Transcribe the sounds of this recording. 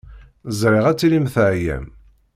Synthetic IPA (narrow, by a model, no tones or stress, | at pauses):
zɾiʁæt͡sːlimθʕjæ̰m